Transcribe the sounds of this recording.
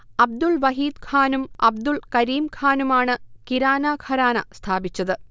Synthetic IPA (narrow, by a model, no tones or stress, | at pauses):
ɐb̚d̪ulʋɐɦiːd̪̚kʰaːnumɐ̰b̚d̪uɭkɐɾiːmkʰaːnumaːɳɨkiɾaːnakʰɐɾaːnɐst̪ʰaːbit͡ɕːɐðɨ